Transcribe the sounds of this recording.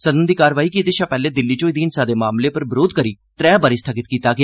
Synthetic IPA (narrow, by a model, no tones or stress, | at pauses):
səd̪ənd̪iːkaːɾʋaːiːkiːt̪eːʃaːpɛːleːd̪ɪlːiːt͡ʃoːid̪iːɪnsaːd̪eːmaːmleːpəɾbəɾoːd̪̚kəɾiː | t̪ɾɛːbaːɾiːst̪ʰəɡɪt̪kiːt̪aːɡɪa